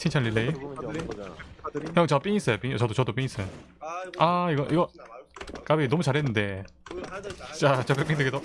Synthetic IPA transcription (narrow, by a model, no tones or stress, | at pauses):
tʰint͡ɕʰalilːei | ʌt͡ɕʌp͈iɲis͈ʌjop͈ʼiɲit͡ɕʌdot͡ɕʌdop͈iɲis͈ʌjo | aiɡʌʔiɡʌ | k͈abinʌmut͡ɕaɾɦenːɯnde̞ | t͡ɕ͈at͡ɕʌpekp͈iŋd̪ɯɡedo